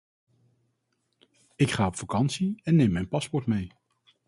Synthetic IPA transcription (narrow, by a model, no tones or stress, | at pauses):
ɪkχaːɔpfakɑnsiɛnːejmɛjnpɑspɔɹtmej